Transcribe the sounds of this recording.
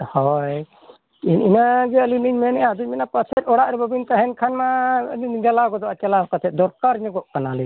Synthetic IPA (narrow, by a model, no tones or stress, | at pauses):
hɔj | ininaɡɛəliniɲmɛnɛʔad̪uc̚ˀmɛnapəsʰɛt̪̚ɔɽaʔɾɛbəbint̪aɦɛnkʰanma | d͡ʒalaɡɔd̪ɔat͡ʃalakat̪ʰɛt̪̚d̪ɔɾkaɾɲɔɡɔʔkanali